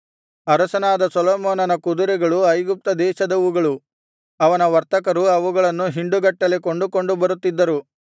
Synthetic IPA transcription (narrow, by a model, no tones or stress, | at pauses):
ɐɾɐsɐnaːd̪ɐsɔlɔːmoːnɐnɐkud̪uɾɛɡɐɭuɐjɡup̚t̪ɐd̪ɛːʃɐd̪ɐʋuɡɐɭu | ɐʋɐnɐʋɐɾt̪ɐkɐɾuɐʋuɡɐɭɐnːuɦiɳɖuɡɐʈːɐleko̞ɳɖuko̞ɳɖubɐɾut̪ːid̪ːɐɾu